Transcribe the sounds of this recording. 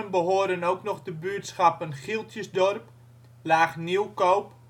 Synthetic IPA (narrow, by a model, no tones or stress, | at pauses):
ənbəɦoːdənowknɔχdəbyətsxapənχilˠtjəsdɔrp | laːχniwkowp